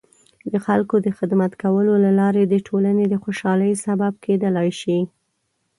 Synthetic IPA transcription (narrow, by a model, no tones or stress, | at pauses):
d̪əxalkod̪əxɪd̪mat̪kawəlolalɑɾed̪əʈʰolaned̪əxoʃɑləjsabab̚ked̪əlɑjʃi